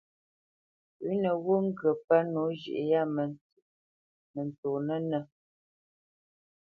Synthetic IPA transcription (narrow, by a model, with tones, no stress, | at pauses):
ʉ˨˦nə˨ɣo˦ŋ̩˦ɡə˨pa˦no˨˦ʒḭ˨ʔe˨ja˦˨mə˨n˨tʉ˨ʔ | nə˨n˨to˨nə˦nə˨